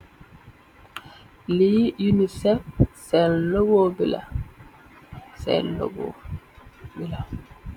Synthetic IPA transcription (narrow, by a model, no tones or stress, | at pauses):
lijunisɛfsɛlloɡobila̰ | sɛ̰llo̰ɡo̰ | bila